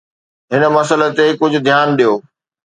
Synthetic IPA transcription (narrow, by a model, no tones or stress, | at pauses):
ɦɪnə̆mɐsələ̆t̪ekʊd͡ʑʱʊ̆d̪ʱjaːnɗijoː